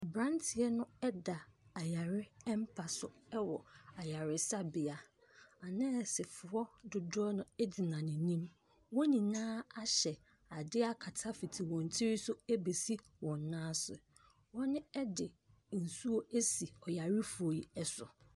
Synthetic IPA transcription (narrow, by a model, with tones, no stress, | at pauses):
bɾã˦ntʰɪ˨ɛ˦nʊ̃˦ɛ˦da˨a˨ja˨ɾɪ˦ɛ˦m˦pʰa˨sʊ˨ɛ˦wɔ˨a˨ja˨ɾɪ˨sa˦bɪ˨a˨ | a˨nã˦˨sɪ˨fʊ˨ɔ˦dʊ˨dʊ˦ɔ˦nʊ̃˦ɛ˦dɪ˨nã˨nɪ̃˨nĩ˦m | wɔ̃˦nĩ˨nãː˦a˦ɕɛ˨ | a˨dɪ˦a˦kʰa˨tʰa˦fi˨tʰi˨wɔ̃˨n˨tʰi˦ɾi˦sʊ˦ɛ˦be˨si˦ | wɔ̃˨nː˨ãː˦sʊ̰˨ | wɔ̃˦nɪ̃˦ɛ˦dɪ˨ | n̩˨su˦o˦ʔe˦si˨ɔ˨ja˨ɾɪ˦fʊ˨o˨ji˨ɛ˦sʊ̰˨